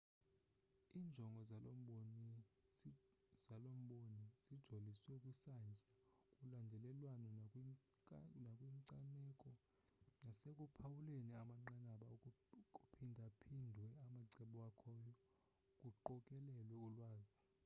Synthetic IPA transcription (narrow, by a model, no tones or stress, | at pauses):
iːnd͡ʒʱɔŋɡʱɔzalom̩ɓoni | zalom̩ɓoniz̥id̥ʒ̥ʱoliswɛukʼwisand͡ʒʱakʼulandʱɛlɛlwanɔkʼ | nakʼwiŋǀanɛkʼɔ | nasek̬ʼupʰawuleniamaŋ͡ǃanaɓaukʼukʼupʰindʱapʰindʱwɛamaǀɛɓɔwakʰɔːjɔ | kʼuǃɔkʼɛlɛlwɛulwaːzi